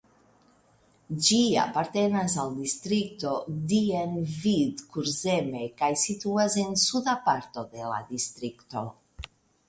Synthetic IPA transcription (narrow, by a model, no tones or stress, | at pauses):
d͡ʒia̰paɾt̪e̞nasald̪ist̪ɾik̚t̪o̞d̪ienvid̪kuɾzeme̞kajsit̪uase̞nsud̪apaɾt̪o̞d̪e̞la̰d̪ist̪ɾikt̪o̞